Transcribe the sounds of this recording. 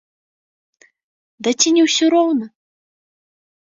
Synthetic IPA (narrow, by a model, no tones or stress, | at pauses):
d̪ɐt͡sʲinʲɛwsʲɔɾɔwnɐ